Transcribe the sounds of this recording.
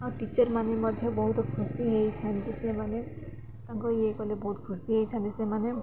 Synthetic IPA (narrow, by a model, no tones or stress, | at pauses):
awʈit͡ʃɔɾmanemɔd̪ʱjɔbɔɦut̪ɔkʰusiɦejt̪ʰant̪isemane | t̪aŋkɔiekɔlebɔɦut̪kʰusiɦejt̪ʰant̪isemane